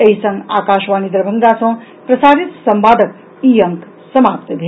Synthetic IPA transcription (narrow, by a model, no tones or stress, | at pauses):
eɦisɐŋɡa̰ːkaːʃʋaːnid̪ɾɐbʱɐŋd̪aːsɐ̃ː | pɾɐsaːɾit̪sɐmpaːd̪ʱək̚ | iːjɐŋk | sɐmaːpt̪b̪ʱe